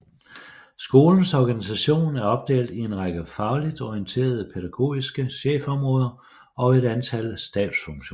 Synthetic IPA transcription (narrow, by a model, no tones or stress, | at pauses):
sɡ̥o̝ːln̩sɒɡ̥ænisæɕo̝̰ːnæɐɒ̽b̥̚d̥ḛːld̥ie̝nʁɑ̈ɡ̥əfɑ̈ʊlid̥ɒʁiənt͡sʰe̝̰ːɐð̞̩ˠəpʰed̥æɡ̥o̝̰ːisɡ̥əɕḛːfɒ̽mʁɔ̽ːð̞ˠɐ | ɒ̽e̝ɾænt͡sʰæl̰sd̥ɛ̰ːd̥sfoŋɕo̝̰ːn